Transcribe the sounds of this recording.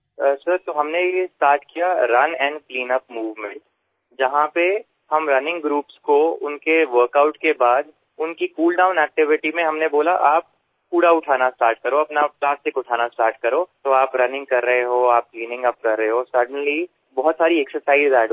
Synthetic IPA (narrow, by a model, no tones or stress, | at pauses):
sɐɾt̪oɦɐmnejesʈaːɾʈkijaɾɐnɛ̃ːɳɖkliːnəpmuːʋmɛ̃ɳʈ | d͡ʒɐɦãpe | hɐmɾɐnɪ̃ŋɡɡɾuːpskoʊnkeʋəɾkaʊʈkebaːd̪ | ʊnkikuːlɖaːʊ̃nɛːk̚ʈɪʋɪʈimẽɦɐmneboːlaʔaːp̚ | kuːɽaʊʈʰaːnasʈaːɾʈkɐɾoɐpnaplaːsʈɪkʊʈʰaːnasʈaːɾʈkɐɾoːt̪oaːpɾɐnɪ̃ŋɡkɐɾːɐɦeɦoaːp̚kliːnɪ̃ŋɡɐp̚kɐɾːəɦeɦoːsɐɾɖə̃nli | bɔɦɔt̪saːɾiɛksəɾsaːɪɖzɛːɖ